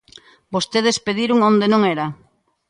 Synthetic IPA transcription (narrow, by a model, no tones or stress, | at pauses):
bost̪eð̞espeðiɾʊŋond̪enõŋɛɾa